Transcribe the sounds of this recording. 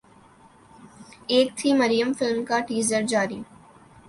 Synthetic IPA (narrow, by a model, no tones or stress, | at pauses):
eːk̚t̪ʰimɐɾijəmfɪlmkaʈiːzəɾd͡ʒaːɾi